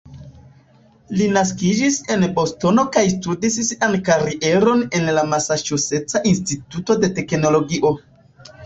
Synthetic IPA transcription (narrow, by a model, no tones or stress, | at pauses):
linas̬kid͡ʒise̞nbo̞sto̞no̞kajstudissiʔankaɾiʔe̞ɾo̞ne̞nlamasat͡ʃuse̞t͡saʔinstituto̞de̞te̞kno̞lo̞ɡiʔo̞